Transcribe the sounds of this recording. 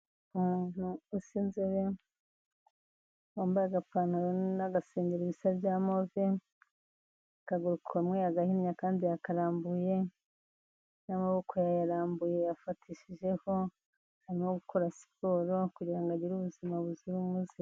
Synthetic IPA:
umuːn̥huusinzeɾe | waːmbaaɡapaːnonaɡaseːɲɟiɾiβisabɟaːmove | kaɡuɾukamŋejaɡahiɲakaːndijakaɾaːmbuje̞ | namaβo̞kʰo̞jajaɾaːmbuje̞jafatʰiːʃiʒe̞ho̞ | haɾimoɡukʰo̞ɾasi̥poɾo̞kuɟiɾaŋɡaɟiɾuβuzimaβuziɾumuzi

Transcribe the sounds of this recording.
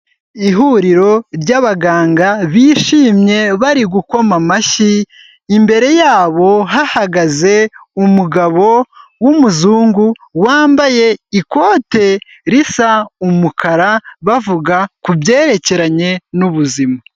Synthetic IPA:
iɦuːɾiɾo̞ɾɟaβaɡaːŋɡaβiːʃiːmɲe̞βaɾiɡuko̞mamaʃiː | mbe̞ɾe̞jaːβo̞ɦahaɡaze̞umuɡaβo̞wumuzuːŋɡu | waːmbaje̞iko̞ːte̞ | ɾisaumukʰaɾaβavuɡakubɟe̞ːɾe̞ce̞ɾaɲe̞nuβuzima

